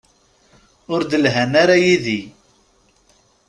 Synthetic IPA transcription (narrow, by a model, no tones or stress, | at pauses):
ʊɾd̪əlɦænaɾajiði